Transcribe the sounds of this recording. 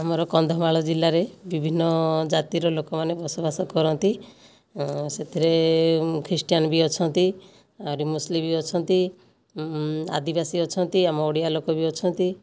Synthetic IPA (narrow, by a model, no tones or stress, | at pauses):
amɔɾɔkɔnd̪ʱɔmaɭɔd͡ʒilːaɾebibʱinːɔd͡ʒat̪iɾɔlokɔmanebɔsɔbasɔkɔɾɔnt̪i | set̪ʰiɾekʰɾisʈijanbiɔt͡ʃʰɔnt̪i | amɔɾimuslibiɔt͡ʃʰɔnt̪i | a̰d̪ibasiɔt͡ʃʰɔnt̪iamɔoɽijalokɔbiɔt͡ʃʰɔnt̪i